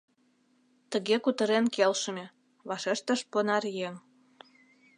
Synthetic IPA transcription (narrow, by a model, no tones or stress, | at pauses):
t̪ə̆ɣekut̪ə̆ɾenkelʃəmʲĕ | βɑʃeʃt̪ə̆ʃponɑrjeŋ